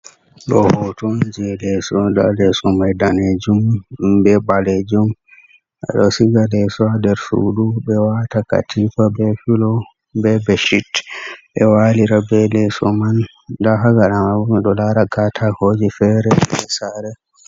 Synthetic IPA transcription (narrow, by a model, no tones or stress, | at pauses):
ɗɔ̰hɔtond͡ʒilɛsɔɗalɛsɔmajdaned͡ʒumbɛbaled͡ʒum | ʔɛ̰ɗɔsiɡalɛsɔadɛɾsṵdubɛwataka̰tʰifabɛfilɔ | bɛbɛʃitɓɛwaliɾabɛlɛsɔman | daɦaɡaɗamaɗɔlaɾakatʰahoːd͡ʒifɛɾɛɛsaɾɛ